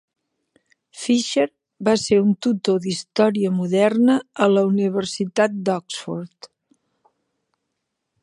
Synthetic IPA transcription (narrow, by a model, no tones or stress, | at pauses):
fiʃəɾ | baseɾunt̪ut̪oðist̪ɔɾiəmuðɛrnəələuniβərsit̪at̪̚d̪ɔksfoɾt̪